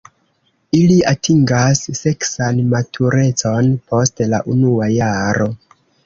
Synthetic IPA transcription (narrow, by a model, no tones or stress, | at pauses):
iliatʰiŋɡasːe̞ksanmatʰuɾe̞t͡so̞npʰo̞stla̰ʔunuajaɾo̞